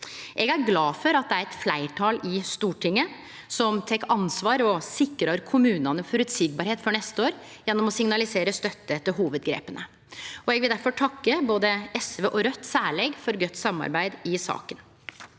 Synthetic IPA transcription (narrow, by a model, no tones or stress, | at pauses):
ʔɛɡæɾɡlɑːfɔɾɑt̪̚d̪ɛæɾɛt̪flæɪʈʰɑːlɪst̪uːʈʰɪŋːə | sɔmt̪ʰɛkːɑnsʋɑːɾɔsɪkːɾɑɾkʰʊmʉːnɑnəfɔɾʉt̪siːɡ̚bɑɾheːt̪fɔɳɛst̪əoːɾjɛnːɔmɔsɪŋnɑlɪseːɾəst̪œt̪ːəɛt̪ːəɦuːʋəd̪ɡɾḛːpənʔə | ʔɔɛɡʋɪld̪æɾfɔʈʰɑkːəboːd̪əɛsʋeːʔɔɾœt̪ːsæːɭeɡfɔɾɡœt̪ːsɑmːɑ̰ɾbæɪd̪ɪsɑ̰ːkən